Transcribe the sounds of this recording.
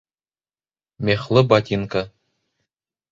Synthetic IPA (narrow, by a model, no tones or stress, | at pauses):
mʲeχlˠɤbat̪ʲiŋka